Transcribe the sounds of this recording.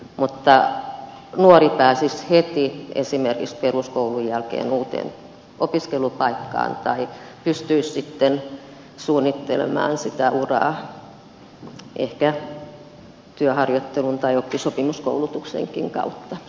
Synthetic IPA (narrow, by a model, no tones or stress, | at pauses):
mut̪ːɑ | nuoripæːsishet̪iʔḛsimerkiksperuskoulujjælkḛːnuːt̪ḛn | ʔopiskelupɑikːɑ̰ːnt̪ɑi | pyst̪yissit̪ːen | suːnːit̪ːḛlḛmæ̰ːnsit̪æʔurɑ̰ː | ʔehkæ | t̪yøhɑrjot̪ːelunt̪ɑiokːisopimusko̰ulut̪uksḛŋkiŋkɑ̰ut̪ːɑ